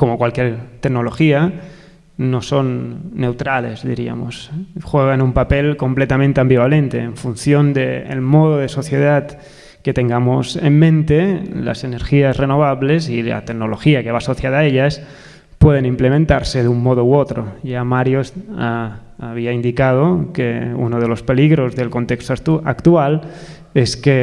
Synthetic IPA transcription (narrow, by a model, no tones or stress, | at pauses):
ko̞mokwalkjeɾt̪eknolo̞xia | no̞so̞nːe̞wt̪ɾale̞̰zðḭɾia̰mosxweɣ̞anumpapelko̞mplet̪amẽnt̪eãmbiβalent̪e̞̰ːɱfunθjond̪ḛːlmoð̞oð̞eso̞θje̞ðat̪ | ke̞t̪e̞ŋɡamosḛmːẽnt̪ela̰se̞neɾxiazreno̞βaβle̞sila̰t̪eknolo̞xiakeβaːsoθjaðaeʎas | pweð̞enimplemẽnt̪aɾseðumːoð̞owot̪ɾoʝamaɾjosaː | βiaind̪ikað̞okeṵnoð̞elo̞spe̞liɣɾo̞zðe̞lko̞nt̪ekst̪oakt̪ual | eske